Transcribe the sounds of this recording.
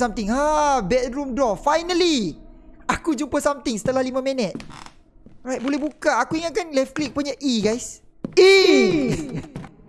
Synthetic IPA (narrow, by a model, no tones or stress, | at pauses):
samt̪ɪŋabɛt̪̚ɾumdɔfajnəli | akud͡ʒumpəsamt̪ɪŋsə̥t̪əlahlimãmɛ̃nət̪̚ | ɹajt̚bolɛhbukaakuiŋakanlafklik̚puɲaʔiɡajs | i